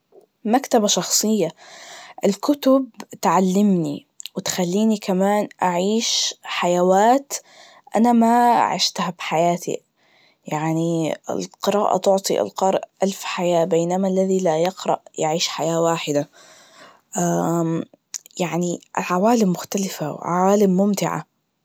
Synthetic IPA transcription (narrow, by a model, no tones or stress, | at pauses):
makt̪abaʃɑxsˤɨjːaʔɪlkʊt̪ʊbt̪ʕalːɪmni | wɪt̪xalːiːnikamaːnʔaʕiːʃħajawaːt̪ | ʔa̰nama̰ʕɪ̰ʃt̪habħajaːt̪ḭ | jaʕniɪ̰lqɨɾaːʔa̰t̪ʊʕt̪ˤiʔɪ̰lqɑɾˤʔʔalfħajaːbeːnamalːaðilajɪqɾˤɑ̰ʔjɪʕiːʃħajaːwaːħɪd̪a | ʔa | jaʕniʔɪ̰lʕawaːlɪmːʊxt̪alɪfawɪ̰ʕa̰waːlɪmːʊmt̪ɪʕa̰